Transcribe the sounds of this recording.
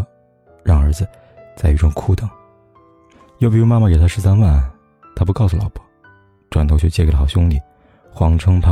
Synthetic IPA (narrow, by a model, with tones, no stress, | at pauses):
ɻɑ˥˩ŋə˞˧˥d͡zɹ̩˧ | t͡sa˥˧ɪy˧ʈ͡ʂʊ˥˧˩ŋkʰu˥˩t̪ɤ˨˩˦ŋ | jo˥˧ʊpi˧˩u˥ma˥ma˨˩ke˨˩ɪt̪ʰa˥ʂɻ̩˧˥sa˥nwa˥˩n˩ | t̪ʰa˥pu˧˥kɑ˥˩ʊsu˧˩lɑ̰˨˩ʊpɔ̥˥˦ | ʈ͡ʂwa˨˩nʰo˧˥ʊt͡ɕʰɔ˥˧t͡ɕjklə˨xɑ˨˩ʊɕjʊ˥ŋli˨˩ | xwɑ˧˥ŋʈ͡ʂʰɤ˥ŋpʰa˥